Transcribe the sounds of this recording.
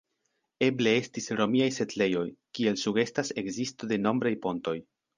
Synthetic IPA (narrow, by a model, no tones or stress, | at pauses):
e̞ble̞e̞stisɾo̞miajse̞tle̞jo̞jkie̞lsuɡe̞stase̞kzistode̞no̞mbɾajpo̞nto̞j